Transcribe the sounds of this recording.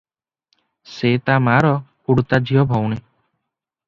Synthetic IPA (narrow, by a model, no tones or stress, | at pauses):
set̪amaɾɔpuɽt̪ad͡ʒiɔbʱɔwɽe